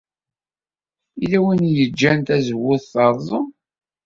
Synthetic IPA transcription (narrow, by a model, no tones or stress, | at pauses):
ilæwinjəd͡ʒːænt̪æzəwːʊðθɑɾˤzˤə